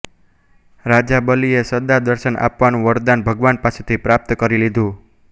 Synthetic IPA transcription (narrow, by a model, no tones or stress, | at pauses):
ɾad͡ʒabəliesəd̪ad̪əɾsənʔa̰pʋanũʋəɾd̪anbʱəɡʋanpasut̪ʰipɾap̚t̪kəɾilid̪ʱu